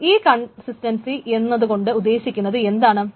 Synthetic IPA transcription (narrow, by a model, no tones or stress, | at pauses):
iːkɐɳsistɐnsiʔenːɐðuɣo̞ɳɖɨud̪ːe̞ːɕikʲːunːɐðɨe̞nd̪aːɳɨ